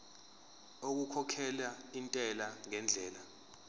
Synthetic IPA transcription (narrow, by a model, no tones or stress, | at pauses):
ok̬ukʰɔkʰɛlaintʼɛlaŋɛnd͡ɮʱɛːla